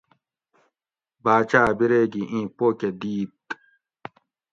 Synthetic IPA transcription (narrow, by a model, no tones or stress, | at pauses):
baːt͡ɕaːbiɾeːɡiʔĩːpoːked̪iːt̪